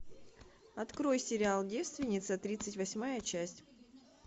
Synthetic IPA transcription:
ɐt̪kɾo̞jsʲɪɾʲɪalˠdʲest̪vʲɪnʲɪt̪sət̪ɾʲit̪sɨtʲvɐsʲmajət͡ɕæsʲtʲ

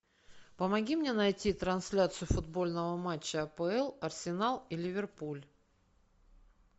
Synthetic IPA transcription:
pəmɐɡʲimnʲenɐjtʲit̪ɾɐnsʲlʲat̪sɨjʊfʊd̪bo̞lʲnəvəmat͡ɕːəɐpəɛlˠɐrsʲɪnalˠilʲɪvʲɪrpulʲ

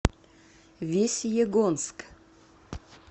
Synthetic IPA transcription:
vʲesʲjeɡonsk

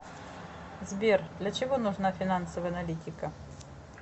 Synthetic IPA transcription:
zʲbʲɛrd̪lʲɐt͡ʂɛɣɔnuʐnafʲinansɐvɐɐnalʲit̪ʲikɐ

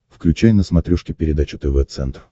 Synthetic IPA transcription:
fklʲʉt͡ɕæjʲnəsmɐt̪ɾʲuʂkʲɪpʲɪɾʲɪd̪at͡ɕʊt̪ɛvɛt̪sɛ̰nt̪r

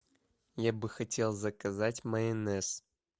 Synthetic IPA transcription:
jabɨxɐtʲe̞lˠzəkɐzatʲməɛnɛs

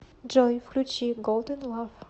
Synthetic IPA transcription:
d͡ʒɔjfklʲut͡ɕiɡɔlˠd̪ɛnlˠaf

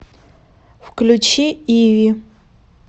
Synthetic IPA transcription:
wkʰʼlʲut͡ʃʰiiɥi

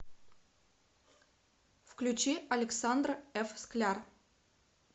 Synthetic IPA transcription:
fklʲʉt͡ɕiʔɐlʲɪksand̪rɛfsklʲar

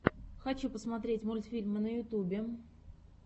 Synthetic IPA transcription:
xɐt͡ɕupəsmɐt̪ɾʲetʲmulʲt̪fʲilʲmənəjʊt̪ubʲɪ

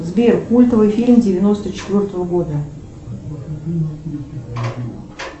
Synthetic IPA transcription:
zbʲerkulʲt̪əvɨjfʲilʲmdʲɪvʲɪno̞st̪ət͡ɕɪ̥t̪ʲvʲo̞rt̪əvəɡo̞d̪ə

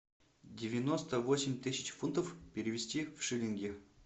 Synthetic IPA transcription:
dʲɪvʲɪno̞st̪əvosʲɪmʲt̪ɨsʲɪ̥t͡ɕfunt̪əfpʲɪɾʲɪvʲɪsʲtʲifʂɨlʲɪnɡʲɪ

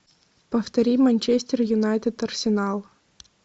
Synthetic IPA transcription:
pəft̪ɐɾʲimɐnʲt͡ɕesʲt̪ʲɪrjʊnajt̪ʲɪt̪ɐrsʲɪnalˠ

